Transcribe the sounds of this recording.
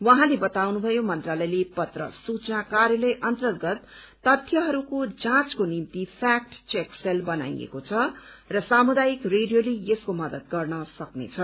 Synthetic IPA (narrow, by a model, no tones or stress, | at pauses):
wʌɦãlebʌt̪awnubʱʌjomʌnt̪ralʌjlepʌt̪rʌ̰sut͡snakaɾjʌlʌjʔʌnt̪ʌrɡʌt̪ː | ʌt̪ʰjʌɦʌɾukod͡zãt͡skonimt̪ipʰak̚ʈt͡sekselbʌna̰j̰ḛkot͡sʰʌ | rʌsamud̪ajikreɖijolejeskomʌd̪ʌt̪̚ɡʌrnʌsʌknḛt͡sʰʌ